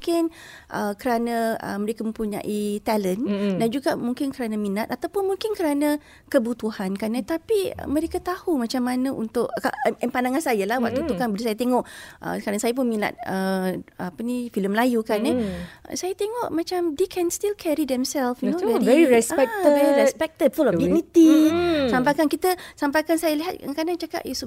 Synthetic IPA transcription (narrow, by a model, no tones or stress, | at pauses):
uŋkɪnʔəkəɾanãə̰məɾekamə̃mpuɲã̰ʔit̪ɛləndand͡ʒuɡamuŋkɪnkəɾanaminat̪at̪awpʊnmũŋkɪnkəɾana | kəbut̪uhankanət̪apiə̰mə̃ɾekat̪ahumat͡ʃamːanəʔṵnt̪ʊʔkaɛnpandaŋansajalahwa̰k̚t̪ut̪ukanbəlisajat̪eŋɔʔə̰kaɾaŋsajap̬ʊnmĩna̰t̪̚əapənifiləmlajukanɛ̰sajat̪eŋɔʔmãt͡ʃamdekʰɛnst̪ilkʰɛɾidɛmsɛlfnoɛdivɛiɾɛspɛk̚t̪əvɛɾiɾɛspɛk̚t̪ədfulɔfdiunit̪isampajkankit̪əsampakansajaliɦat̪̚ŋkadaŋt͡ʃaka̰pjɛsu